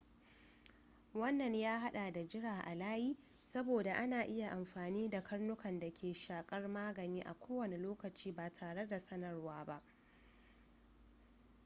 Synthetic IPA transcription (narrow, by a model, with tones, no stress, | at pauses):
wɐ˦nːɐ˨ɲjaː˦ɦa˦ɗaː˨da˨d͡ʒɪ˦ɽaː˨ʔa˨laː˦jiː˦ | sɐ˦boː˨da˨ʔa˦naː˨ʔɪ˦ja˨ʔa˨mɸaː˨niː˦da˨kɐ˦rnʊ˦kɐ˨nda˨kʲʰeː˨ʃaː˨kʼɐ˦rmaː˦ɡɐ˨niː˦ʔa̰˨kʷoː˦wɐ˨ne˨loː˦kɐ˨t͡ʃiː˦baː˨tʰaː˨ɽe˦da˨sɐ˦nɐ˨rwaː˦ba˦ʔ